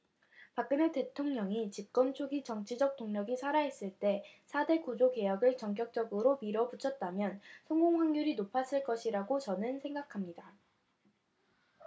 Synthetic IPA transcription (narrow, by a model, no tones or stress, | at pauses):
pak̚k͈ɯnete̞tʰoŋɲʌŋit͡ɕip̚k͈ʌnt͡ɕʰoɡit͡ɕʌŋt͡ɕʰid͡ʑʌk̚t͈oŋɲʌɡisʰaɾaɦe̞s͈ɯɭt͈e̞sʰade̞kud͡ʑoke̞jʌɡɯɭt͡ɕʌŋk͈jʌk̚t͡ɕ͈ʌɡɯɾomiɾʌput͡ɕʰʌt̚t͈amjʌnsʰʌŋɡoŋɸaŋɡuɾinopʰas͈ɯɭk͈ʌɕʰiɾaɡot͡ɕʌnɯnsʰe̞ŋɡakʰamɲida